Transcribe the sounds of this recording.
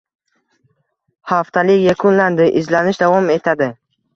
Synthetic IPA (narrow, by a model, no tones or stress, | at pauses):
haft̪ʰalɪkʲjakʰʊnland̪ɪʔɪzlanɪʃd̪avɒme̞t̪ʰad̪ɪ